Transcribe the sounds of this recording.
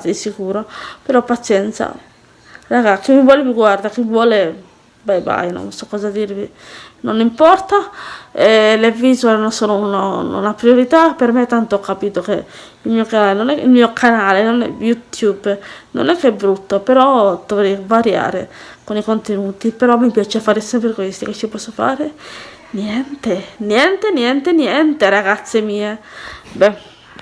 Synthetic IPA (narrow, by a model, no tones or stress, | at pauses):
isikuːɾopeɾɔpːat̪sjɛnt̪sa̰ | raɡak̟imivwɔːleviɡward̪ak̟ivwɔːle | bajba̰jno̰nsɔkːɔːzad̪irvinonːimpɔrt̪aelevizoenonsoːnoun̰napɾioɾit̪apermet̪ːant̪oɔkːapiːt̪oke | ilmiːokanaːlenonɛḭlmiːokʰanaːlenonɛ̰jut̪ʰjubno̰nɛkːeɛbɾut̪ːopeɾɔd̪̥ovɾɛjvaɾja̰ːɾḛ | konikont̪enuːt̪ipeɾɔmːipjaːt͡ʃefaːɾesɛmpɾekwest̪iket͡ʃːipɔsːofa̰ːɾe | njɛnt̪enjɛnt̪enjɛnt̪enjɛnt̪eɾaɡat̪sːemiːe | bɛ